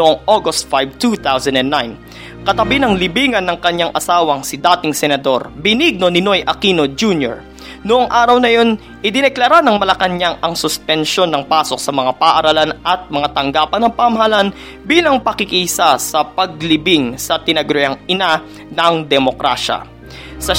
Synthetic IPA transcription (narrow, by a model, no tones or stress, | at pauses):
noʔoŋʔoɡost̪̚fajv̚t̪ut̪awsɐnd̪ɛnːajn | kɐt̪ɐbinɐŋlɪbiːŋɐnːɐŋkɐɲːaŋʔɐsaːwɐŋsɪd̪aːt̪ɪŋsɛnɐd̪o̞̰ɾbɪniɡ̚no̞nɪno̞jʔɐkino̞d͡ʒunjo̰ɹ | noʔoŋʔaːɾɐwnɐjo̞n | ʔɪd̪ɪnɛklɐɾanɐŋmɐlɐkɐnɲaŋʔɐŋsʊspɛnʃo̞nːɐŋpaːso̞k̚sɐmɐŋapɐːʔɐɾɐlanʔɐt̪̚mɐŋat̪ɐŋɡaːpɐnɐŋpɐmɐhɐlan | biːlɐŋpɐkɪkisasɐpɐɡ̚lɪbɪŋsɐt̪ɪnɐɡɾʊjaŋʔɪna | nɐŋd̪ɛmo̞kɾa̰ʃɐ̰ | sɐ